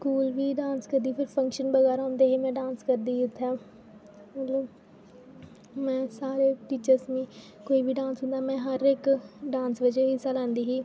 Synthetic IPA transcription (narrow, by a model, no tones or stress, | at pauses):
skuːlʋiːɖãːnskəɾd̪iːpʰɪɾpʰə̃ŋkʃənbəɣɛːɾõːnd̪eːɦeːmɛ̃ːɖãːnskəɾd̪iːʊt̪ʰːaː | məloː | mɛ̃ːsaːɾeːʈiːt͡ʃəɾsʋĩː | koːiːbʱiːɖãːnsɦʊ̃nd̪aːmɛ̃ːɦəɾɪkɖãːnsʋəd͡ʒeːɦɪsaːlãːnd̪iːɦiː